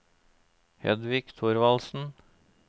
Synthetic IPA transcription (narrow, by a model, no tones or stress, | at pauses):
hɛ̰d̪ʋɪkt̪ʰʊɾʋɑlsn̩